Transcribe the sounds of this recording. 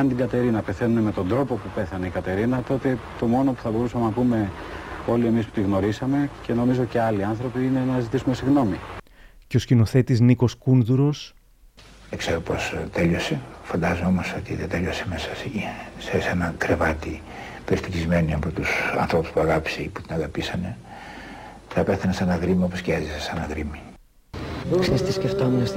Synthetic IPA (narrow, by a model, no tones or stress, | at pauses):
ɐnt̪iɡɐt̪e̞ɾinɐpe̞θe̞nune̞me̞t̪o̞nd̪ɾo̞po̞pupe̞θɐneikɐt̪e̞ɾinɐt̪o̞t̪e̞t̪o̞mo̞no̞pu̥θɐbo̞ɾusɐmenɐpume̞ | o̞lie̞mispu̥t̪iɣno̞ɾisɐme̞ce̞no̞mizo̞ce̞ɐliɐnθɾo̞piine̞nɐzit̪isume̞siɣno̞miceo̞scino̞θe̞t̪izniko̞skunðuɾo̞s | ðekseɾopost̪eʎo̞se̞fɐnd̪ɐzoo̞mo̞so̞t̪iðet̪eloseme̞sɐssesenɐkɾevɐt̪i | peɾist̪icizme̞niɐpo̞t̪usɐ̰nθɾo̞pu̥spuɐɣɐpi̥se̞ipu̥t̪inɐɣɐpisɐne̞ | θɐpeθɐnesenɐɣɾimioposciɐzisesenɐɣɾimi | ksist̪isceft̪omes